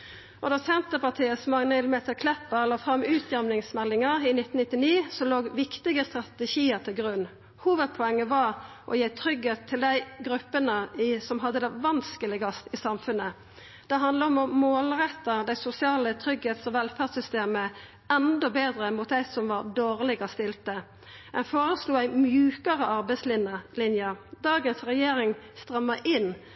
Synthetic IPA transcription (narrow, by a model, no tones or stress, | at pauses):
ʔɔd̪ɑːsɛnt̪əpɑt̪ʰiːəsɔmɑŋnəlmɛt̪ʰɪlkʰlɛpːəlɑːfɾɑmːʉːt̪ʰjæmnɪŋsmɛlːɪŋɑɾɪnɪt̪ːn̩nɪt̪ːɪniːsɔloːɡʋɪkt̪ɪɡəst̪ɾʁɑt̪əʃiːəɾt̪ʰɪlɡɾʉnː | huːʋəd̪̚pʰɔɛŋːəʋɑɾ | ʔɔ̰jeːt̪ʰɾʏɡheːt̪ʰːɪld̪æɪɡɾʉpːənəɪsɔmɦɑd̪ːəd̪æʋɑnskəlɪɡɑst̪ɪsɑmfʉnːə | d̪̥ɛɦɑnd̪ləɔmɔmoːlɾɛt̪ːəd̪æɪsʊsɪɑːlət̪ʰɾʏɡheːt̪sɔʋɛlfæʁsʏst̪eːmə | ɛnd̪ɔbeːd̪ɾəmuːt̪̚d̪æɪsɔmʋɑɾd̪oːʁlɪɡəst̪ɪlt̪ə | ɛnfoːɾəsluːæɪmjʉːkəɾəʔɑɾbæɪslɪlɪnjəd̪ɑːɡənsʁɛjeːɾɪŋst̪ɾɑmːɑʔɪnː